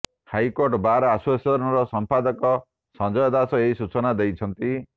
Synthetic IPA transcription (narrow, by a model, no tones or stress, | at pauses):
hajkoɾʈbaɾɔaswasɔɾɔnɔɾɔsɔmpad̪ɔkɔ | sɔ̃nd͡ʒɔjɔd̪asɔeisut͡ʃɔnad̪ejt͡ʃʰɔnt̪i